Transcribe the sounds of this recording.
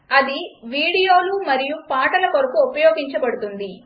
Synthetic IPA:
ɐd̪iʋiːɽijo̞ːlumɐɾijupaːʈɐlɐkoɾɐkuopɐjoːɡiɲt͡ʃɐbɐɽut̪und̪i

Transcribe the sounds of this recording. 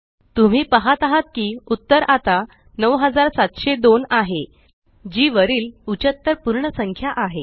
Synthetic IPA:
t̪um̤iːpəɦat̪aɦat̪̚kiːut̪ːəɾat̪a | nəwɦəd͡zaɾsat̪ɕed̪onaɦe | d͡ʑiːʋəɾiːlut͡ɕət̪ːəɾpuɾɳəsəŋkʰjaʔaɦe

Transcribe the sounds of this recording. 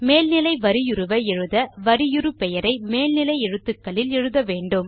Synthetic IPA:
meːlnɪlɐɪʋɐɾɪjʊɾɯʋɐɛɻɯðɐʋɐɾɪjʊɾɯpɛjɐɾɐɪmeːlnɪlɐɪɛɻɯt̪ːɯkːɐɭɪlɛɻɯðɐʋeːɳɖɯm

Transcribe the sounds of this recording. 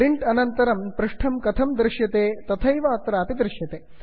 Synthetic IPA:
ɾiɳʈɐnɐnt̪ɐɾɐmpɾɪʂʈʰɐmkɐt̪ʰɐmd̪ɾɪʃjɐt̪eːt̪ɐt̪ʰɐjʋaːt̪ɾaːpid̪ɾɪʃjɐt̪eː

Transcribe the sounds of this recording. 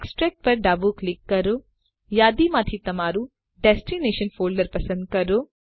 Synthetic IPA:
eksʈɾeːk̚ʈ̚pɐɾɖaːbuːklikːɐɾoː | jaːd̪imaːt̪ʰit̪ɐmaːɾu | ɖesʈineːʃɐnfʰoːlɖɐɾpɐsɐ̃nd̪̚kɐɾoː

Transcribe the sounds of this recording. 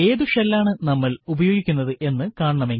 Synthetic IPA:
e̞ːd̪uʂɐlːaːɳɨnɐmːɐɭubɐjo̞ːɡikʲːunːɐðɨʔe̞nːɨkaːɳɐɳɐmeŋ

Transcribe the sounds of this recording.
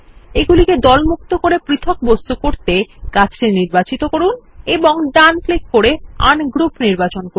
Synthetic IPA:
eɡuliked̪ɔlmuk̚t̪okoɾepɾit̪ʰok̚bost̪ukoɾt̪ekat͡ɕeniɾbat͡ɕit̪okoɾuneboŋɖanplek̚koɾea̰nɡɾupniɾbat͡ɕonko

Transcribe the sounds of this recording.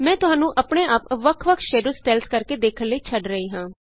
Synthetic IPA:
mɛ̃ːt̪ʊɦãːnũːʔəpɳeːʔapʋəkʰʋəkʰʃɛːɾusʈɛːlskəɾkeːd̪eːkʰənlːəiːt͡ʃʰəɖɾəiːɦãː

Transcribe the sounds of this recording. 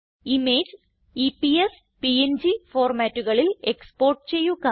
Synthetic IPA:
imeːd͡ʑ | ipies | piend͡ʑifoːrmaːtːuɣɐɭile̞kspo̞ːrʈɨt͡ɕe̞jːuka

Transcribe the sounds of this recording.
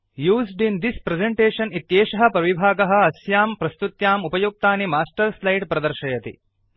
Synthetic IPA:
juːzɖind̪ispɾezeɳʈeːʃɐnit̪jeːʃɐɦɐpɾɐʋibʱaːɡɐɦɐ̆ɐsjaːmpɾɐst̪ut̪jaːmupɐjuk̚t̪aːnimaːsʈɐɾslɐjɖpɾɐd̪ɐɾʃɐjɐt̪ḭ

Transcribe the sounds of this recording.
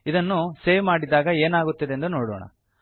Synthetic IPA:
id̪ɐnːuseːʋmaːɽid̪ːaːɡɐeːnaːɡut̪ːid̪e̞nd̪unoːɽoːɳɐ̰

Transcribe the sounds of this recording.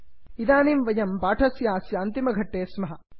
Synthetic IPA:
id̪aːnimʋɐjɐmbaːʈʰɐsjaːsjɐɐnt̪imɐɡʱɐʈːeːsmɐɦɐ

